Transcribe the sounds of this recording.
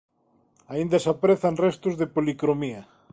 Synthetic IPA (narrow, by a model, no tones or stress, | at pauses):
aind̪ɐsapɾeθɐnrest̪ʊzðepolikɾomiɐ